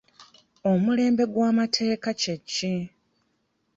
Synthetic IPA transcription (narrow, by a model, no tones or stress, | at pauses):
omule̞ːmbe̞ɡwaːmatʰe̞ːkacecːi